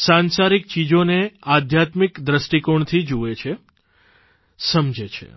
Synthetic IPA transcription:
sãnsaɾik̚t͡ʃid͡ʒonead̪ʱjat̪mikd̪ɾəsʈikoɳt̪ʰid͡ʒuet͡ʃʰe | səmd͡ʒet͡ʃʰḛ

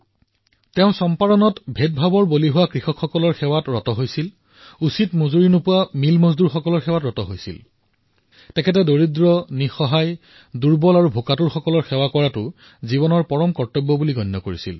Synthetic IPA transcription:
teʊ̃sɔmpadɔnɔtbʱet̚bʱabɔɹboliɦʊwakɹixɔkʰxɔkɔlɔɹxɛwatɹɔtɔɦojsil | usitmuzuɹinopʊwamilmozduɹxɔkɔlɔɹxɛwatɹɔtɔɦojsḭl | tɛkʰɛt̬ɛdoɹidɹɔnixɔɦaj | duɹbɔlaɹubʱokatuɹxɔkɔlɔɹxɛwakɔɹatʊ | zibɔnɔɹpɔɹɔmkɔɹtɔbːɔbuliɡʱɔnːɔkoɹisḭl

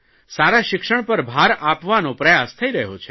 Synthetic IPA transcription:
saɾaʃɪkʂəɳ̃pəɾbʱaɾapʋanõpɾəjast̪ʰəiɾəɦot͡ʃʰe

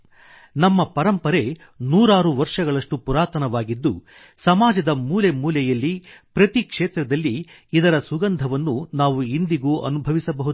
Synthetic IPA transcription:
nɐmːɐpɐɾɐmpɐɾe̞ | nuːɾaːɾuʋɐɾʂɐɡɐɭɐʂʈupuɾaːt̪ɐnɐʋaːɡid̪ːṵ | sɐmaːd͡ʒɐd̪ɐmuːle̞muːlɛjɐlːipɾɐt̪ikʂeːt̪ɾɐd̪ɐlːiːd̪ɐɾɐsuɡɐnd̪ʱɐʋɐnːunaːʋuind̪iɡuːʔɐ̰nubʱɐʋisɐbɐɦud̪

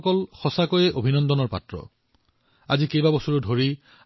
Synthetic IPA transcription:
kɔlxɔsakojɛʔobʱinɔndɔnɔɹpa̰tɹɔ̰ | a̰zikejbabɔsuɹudʱoɹi

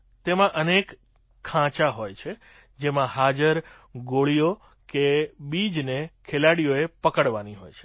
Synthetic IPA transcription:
t̪emãʔənek | kʰːãt͡ʃaɦojt͡ʃʰe | d͡ʒemãhad͡ʒəɾ | ɡoɭijo | kebid͡ʒnekʰelaɽijoepəkəɽʋaniɦo̰jt͡ʃʰe̥

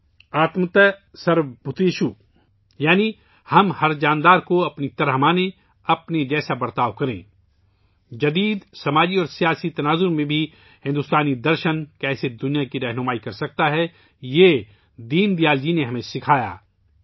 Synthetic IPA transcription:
aːt̪mt̪ɛsɐɾbʱʊt̪eːʃu | jaːni | hɐmhɐɾd͡ʒaːnd̪aːɾkoɐpnit̪ɐɾɦəmaːne | ɐpned͡ʒɛːsabɐɾt̪aːʋkɐɾḛ̃ː | d͡ʒɐd̪iːd̪sɐmaːd͡ʒiɔːɾsijaːsit̪ɐnaːzʊɾmẽbʱi | hɪ̃nd̪ʊst̪aːnid̪ɐɾʃənkɛːsed̪ʊnijakiɾɐɦnʊmaːikɐɾsɐk̚t̪aɦɛ | jeː | d̪iːnd̪ijaːld͡ʒineɦɐmẽsɪkʰaːja̰ː

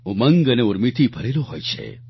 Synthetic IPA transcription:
ɦũməŋɡəneuɾmit̪ʰibʱəɾeloɦojt͡ʃʰḛ

